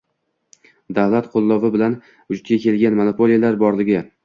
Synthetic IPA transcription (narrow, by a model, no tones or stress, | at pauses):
d̪avlat̪qʰolˠːɒvɪbɪlan | vʊd͡ʒʊt̪̚ɡʲakʲʰe̞lɡʲanmonopʰo̞lijalaɾbɒɾlɪɡʲɪ